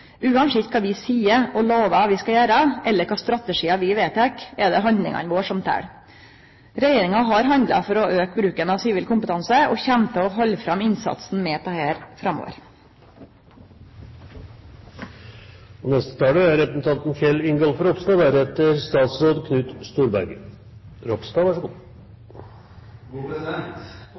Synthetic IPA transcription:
ʉːɑnʂɪt̪̚kʰɑːʋɪsiːəɔloːʋəʋɪskɑjæːɾəʔɛlːəɾkʰɑːst̪ɾɑt̪əʂiːɑʋɪʋeːt̪ʰɛkɛd̪ɛɦɑnd̪lɪ̰ŋɑ̰nʋoːʂɔmt̪ʰæ̰ːɽ | ɾɛjeːɾɪŋɑɦɑɾɦɑnd̪lɑ̰fɔɾɔʔøːkbɾʉːkənɑʋsiːʋiːlkʊmpət̪ʰɑnsəʔɔçɛmt̪ʰəɔɦɔlːfɾɑmɪnsɑ̰t̪sn̩mɛːp̪ʰɑheːɾfɾɑmo̰ːʋə̰ɾ | ɔnɛst̪ə̥t̪ʰɑːləæɾɛpəsn̩t̪ʰɑnt̪nfjɛlɪŋɡɑlfɔɾɔpst̪ɑʋæːɾɛt̪ːəɾst̪ɑːt̪sɾoːd̪kʰnʉːt̪st̪uːɾbæɾɡə | ɾɔpst̪ɑʋæʂɡu

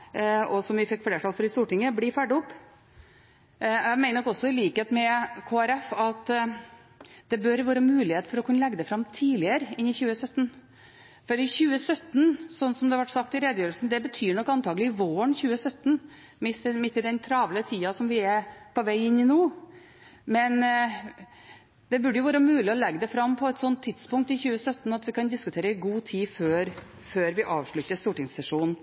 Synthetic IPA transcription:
ɔsɔmʋɪfɪkːfleːʈʰɑlfɔɾɪst̪uːʈɪŋːəblɪfæɖəʊpː | jæmæɪnənɔkɔsːɔɪliːkheːt̪mɛkʰoːæɾɛfɑt̪ | d̪̥ɛbœɾʋɑːɾəmʉːlɪheːt̪fɔɾɔkʰʉnːəlɛɡːəd̪ɛfɾɑmt̪ʰiːlɪəɾɪnːɪçʉːəsœt̪ːn | fɔɾɪçʉːəsœt̪ːnsɔnːsɔmd̪ɛɑʋɑʈːsɑk̚t̪ɪɾeːd̪jøːɾlsn̩d̪ɛbət̪ʰyːɳɔkːɑnt̪ʰɑːɡəlɪɪʋoːəɳçʉːəsœt̪ːn̩ | mɪsmɪt̪ːɪd̪ɛnt̪ʰɾɑːʋlət̪ʰiːɑsɔmʋɪɛpʰɔʋæɪɪnːɪnoː | mɛn | d̪ɛbʉɖəjʊʋɑːɾəmʉːlɪɔlɛɡːəd̪ɛfɾɑmːpʰɔɛt̪sɔnt̪ʰːɪt̪spʊŋk̚t̪ɪçʉːəsœt̪ːn̩ɑt̪ʋɪkɑnd̪ɪskʉt̪ʰeːɾəɪɡuːt̪ʰiːføːɾ | føːɾʋɪʔɑːʋʂɭʉt̪ːəst̪uːʈɪŋssɛʂuːnn

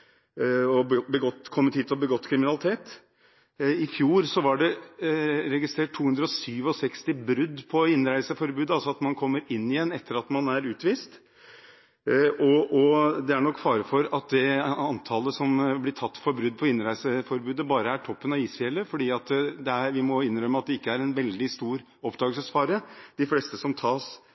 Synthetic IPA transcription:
ɔbəɡɔt̪ːkʰɔmːət̪ʰiːt̪ɔbəɡɔt̪ːkʰɾɪmɪnɑlɪt̪ʰeːt̪ | ɪfjuːɾsɔʋɑɖɛ | ɾɛɡɪst̪ɾeːʈ̚ʈʰːuːhʉnd̪ɾəɔsyːʋɔsɛkst̪ɪbɾʉd̪ːpʰɔɪnːɾæɪsəfɔɾbʉːd̪əɑlsɔɑt̪mɑnkʰɔmːəɾɪnːɪjɛnːɛt̪ːəɾɑt̪mɑnæɾʉːt̪ʋiːst̪ | ɔɔd̪ɛæɳɔkːfɑːɾəfɔɾɑt̪̚d̪ɛɑnt̪ʰɑləsɔmblɪʈʰɑt̪ːfɔɾbɾʉd̪ːpʰɔɪnːɾæɪsəfɔɾbʉːd̪əbɑːɾəæʈʰɔpːənɑʋiːsfjɛlːəfɔɖiːɑt̪d̪ɛæɾʋɪmɔɪnɾœməɑt̪̚d̪ɛɪkːəæɾɛnʋɛld̪ɪst̪uːɾ | ɔpd̪ɑːɡəlsəsfɑːɾəd̪̥ɪfleːst̪əsɔmt̪ʰɑːs

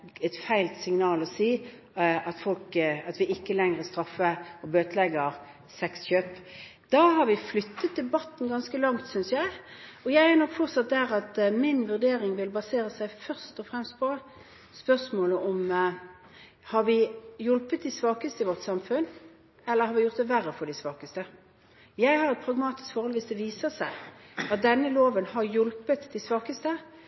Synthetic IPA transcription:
ɛt̪fæɪlt̪sɪŋnɑːlɔsiː | ɑt̪fɔlkɑt̪ʋɪɪkːəlɛŋɾəst̪ɾɑfːəɔbøːt̪əlɛɡəʁ | sɛksçøːpd̪̥ɑɦɑɾʋɪflʏt̪ːət̪̚d̪ɛlbɑt̪ːn̩ɡɑnskəlɑŋt̪sʏnsjæɪɔjæɪænɔkːfɔʁsɑt̪̚d̪æʁɑt̪mɪnʋʉʁd̪eːɾɪŋʋɪlbɑseːɾəsæɪfœʁst̪ɔfɾɛmst̪̚pʰɔ | spœsmoːləʔɔm | hɑɾʋɪjʊlpət̪̚d̪ɪsʋɑːkəst̪əɪʋɔʁt̪sɑmfʉn | ɛlːəʁhɑɾʋɪjʊɾt̪̚d̪ɛʋæɾəfɔɖ̪ɪsʋɑːkəst̪ə | jæɪhɑɾɛt̪̚pʰɾɑɡmɑːt̪ɪ̥skfɔɾhɔlʋɪsd̪ɛʋiːsəsæɪɑt̪̚d̪ɛnːəloːʋənhɑɾjɔlpət̪d̪ɪsʋɑːkəst̪ə

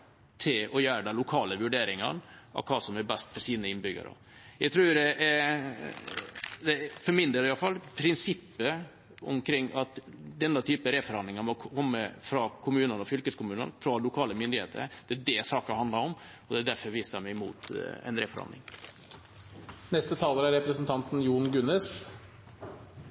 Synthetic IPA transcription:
t̪ʰɪlɔjœːɾəɖ̪ɛlʊkʰɑːləʋʉɖeːɾɪŋɑ̰nɑ̰ʋkʰɑːsɔmæbɛst̪fɔʂiːnəɪnbʏɡə̰ɾə̰ | jæɡt̪ʰɾuːdɛʔ | d̪ɛfɔɾmɪnd̪əɾɪjɑlfɑlːpʰɾɪnsɪpːə | ɔ̰mkʰɾɪŋːɑt̪d̪ɛnːɑt̪ʰyːpəɾefɔɾɑnd̪ɪŋəmɔkʰkʰɔmːəfɾɑkʰʊmʉːnəɾɔfʏlkəskʊmʉːnə̰ɾfɾɔlʊkʰɑːləmʏnd̪ɪhḛːt̪ʰə̰ɾd̪̥ɛæd̪ɛsɑːkəhɑnd̪ɑɾɔm | ɔd̪ɛæd̪æɾfɔɾʋiːsəɑmæmuːt̪ɛ̰nɾefɔ̰ɾɑ̰nɪ̰ŋ | nɛst̪ət̪ʰɑːləɾɑɾɛpɾəsnt̪ʰɑnt̪n̩juːɳɡʉnɛs

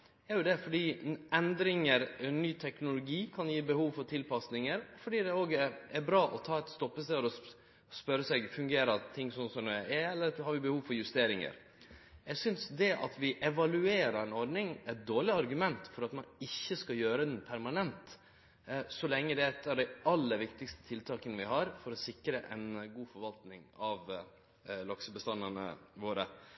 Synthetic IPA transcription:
jæɾjʊd̪ɛfɔɖiːʔɛnd̪ɾɪŋəɾnyːt̪ʰɛknʊlʊɡiːkʰɑnjiːbəhuːʋfɔɾt̪ʰɪlpɑsnɪŋəɾɔfɔɖiːd̪ɛoːɡɛæɾbɾɑːʔɔt̪ʰɑːɛt̪st̪ɔpːəst̪ɛɾɔ | spœɾəsɛɡfʉŋɡeːɾəɾt̪ʰɪŋːsɔnsɔmd̪ɛɛɛlːəɾhɑɾʋɪbəhuːʋfɔɾjʉst̪eːɾɪŋə̰ɾ | jɛsʏnsd̪ɛʔɑ̰t̪ʋɪʔɛʋɑlʉeːɾəɾɛnɔɾɖnɪŋɛt̪̚d̪oːɭɪɑɾɡʉmɛnt̪fɔɾɑt̪mɑnɪçːəskɑjøːɾəd̪ɛnpʰæɾmɑnɛnt̪ | sɔlɛŋːəd̪ɛɛt̪ːɑʋd̪æɪɑlːəʋɪkt̪ɪkst̪ə̥t̪ʰɪlt̪ʰɑːkənəʋɪɦɑɾfɔɾɔsɪkɾəʔɛ̰nɡuːfɔɾʋɑlt̪nɪŋɑʋ | lɑksəbəst̪ɑnːənə̰ʋoːɾə

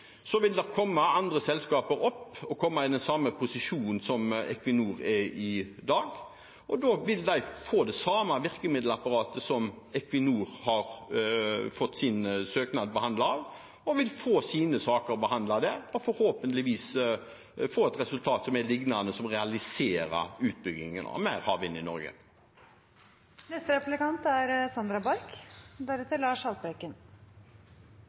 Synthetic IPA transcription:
sɔʋɪld̪ɛɾkʰɔmːɑɑnd̪ɾəsɛlskɑːpəɾɔpːɔkʰɔmːɑɪd̪ɛnsɑmːəpʰʊsɪʃuːnn̩sɔmɛ̰kʋɪnuːɾɛɪd̪ɑːɡ | ɔd̪oʋɪld̪æɪfoːd̪ɛsɑːmɑʋɪʁkəmɪːd̪l̩ɑpɑɾɑːt̪əsɔm | ɛkʋɪnuːɾhɑɾ | fɔt̪ːsɪnsøːknɑd̪̚bəhɑnd̪ɑɑʋ | ɔʋɪlfoːsiːnəsɑːkəɾɔbəhɑnd̪lɑd̪ɛɔfɔɾhoːpənlɪʋiːs | foːɛt̪ʁɛsʉlt̪ʰɑːt̪sɔmɛlɪɡnɑnəsɔmʁɛɑlɪseːɾə̰ɾʉːt̪̚bʏɡɪŋənɑ̰mæɪɾhɑ̰ːʋɪnːɪnɔɾɡə̰ | nɛst̪əɾɛplɪkɑnt̪æɾsɑnd̪ɾɑbɑɾkd̪æɾɛt̪ːəɾlɑːʂhɑlbɛkən

